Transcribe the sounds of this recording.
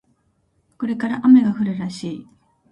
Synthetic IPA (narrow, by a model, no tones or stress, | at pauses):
ko̞ɾe̞kaɾaʔame̞ɡaɸɯ̟ɾɯɾaɕiː